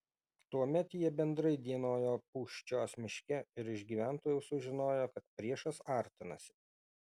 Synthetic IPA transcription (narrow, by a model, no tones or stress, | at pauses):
t̪uɔmʲɛt̪jiɛbʲɛnd̪ɾɐɪd̪ʲiɛnoːjoːpuːʃʲt͡ʃʲoːsmʲɪʃʲkʲɛɪɾɪʒɡʲiːʋʲæˑnt̪oːjɛʊsʊʒʲɪnoːjoːkɐt̪̚pʲɾʲiɛʃɐsɑˑɾʲt̪ʲɪnɐ̰sʲɪ̥